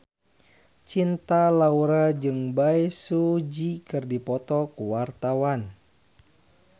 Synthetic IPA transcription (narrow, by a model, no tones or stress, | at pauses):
t͡ʃint̪alauɾad͡ʒɨŋbaisud͡ʒikɨrdipɔt̪ɔkuwart̪awan